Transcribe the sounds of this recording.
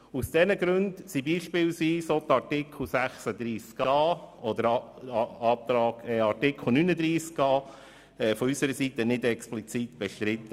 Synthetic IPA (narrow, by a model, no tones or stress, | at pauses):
usd̥ɛnəɡɾʉndsibiːʃpɪːlsviːsot̪ɑɾtɪkʰl̩sæχsəd̪ɾiːskɑɑːɔd̪əɾɑɑːp̚t̪ɾɑːɡɛɑɾtɪkʰl̩ˠnynəd̪ɾiːskɑː | ɛfɔysəɾəsit̪ənɪdɛksplit͡sit̪b̥ɛʃtɾɪt̪ːə